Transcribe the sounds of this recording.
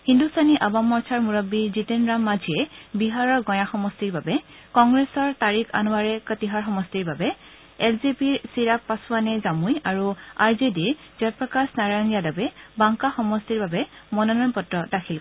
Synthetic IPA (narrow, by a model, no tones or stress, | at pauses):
hindustaniʔabamɔɹsʰaɹmuɹɔbizitɛnɹamːazʱiɛbiɦaɹɔɹɡɔj̃axɔmɔstiɹbabɛkɔŋɡɹesɔɹtaɹikʰa̰nuwaɹɛkətiɦaɹxɔmɔstiɹbabɛ | ɛlzepiɹsiɹappasʊanɛzamujaɹuaɹzediɹ | z̥ɔt̚pɹɔkasnaɹajnijadɔbɛbaŋkaxɔmɔstiɹbabɛmɔnɔnɔnpɔtɹɔdakʰil